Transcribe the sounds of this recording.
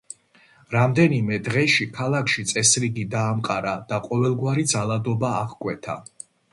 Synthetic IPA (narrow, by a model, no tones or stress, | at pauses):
ɾamd̪ɛnimɛd̪ʁɛʃikʰalˠakʰʃit̪sʼɛsɾiɡid̪aːmqʼaɾad̪̥aqʼɔvɛlˠɡwaɾid̪zalˠad̪ɔbaːʁkʼwɛt̪ʰa̰